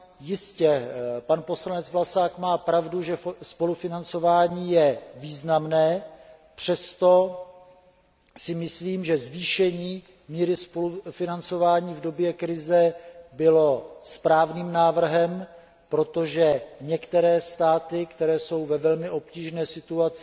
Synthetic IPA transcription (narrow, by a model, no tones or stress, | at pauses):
jɪscɛpanpo̞slanɛt͡svlasaːkmaːpɾavduʒɛspo̞lufɪnant͡so̞vaːɲiːjɛviːznamnɛː | pr̝̥ɛst̪o̞ | sɪmɪsliːmʒɛzviːʃɛɲiː | miːɾɪspolufɪnant͡so̞vaːɲiːvdo̞bjɛkɾɪzɛbɪlo̞spɾaːvniːmnaːvr̩ɦɛm | pɾo̞t̪o̞ʒɛɲɛkt̪ɛɾɛːst̪aːt̪ɪkt̪ɛɾɛːso̞wvɛvɛlmɪʔo̞p̚ciːʒnɛːsɪt̪uat͡sɪ